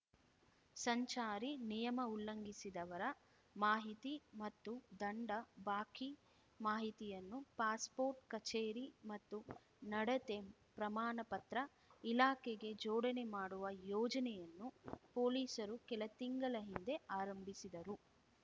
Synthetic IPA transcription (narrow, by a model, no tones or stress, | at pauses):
sɐɲt͡ʃaːɾinijɐmɐulːɐŋɡisid̪ɐʋɐɾɐ | maːɦit̪imɐt̪ːud̪ɐɳɖɐbaːki | maːɦit̪ijɐnːupaːspoːɾʈkɐt͡ʃeːɾimɐt̪ːu | nɐɽɐt̪e̞ | pɾɐmaːnɐpɐt̪ɾɐ | ilaːkeɡe̞d͡ʒɔːɽɐnemaːɽuʋɐjɔːd͡ʒɐnɛjɐnːupoːliːsɐɾukɛlɐt̪iŋɡɐɭɐɦind̪e̞aːɾɐmbʱisid̪ɐɾu